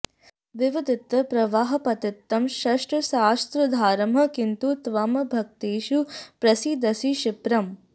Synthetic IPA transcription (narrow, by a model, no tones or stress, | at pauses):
ʋɪʋɐd̪ɪt̪ʋɐpɾɐʋaːɦɐpɐt̪ɪt̪ːɐmʃɐʂʈɐʃaːst̪ɾɐd̪ʱaːɾɐmɦɐ̆kint̪ut̪ʋɐmɐbʱɐk̚t̪eːʃupɾɐsid̪ɐsiʃɪpɾɐm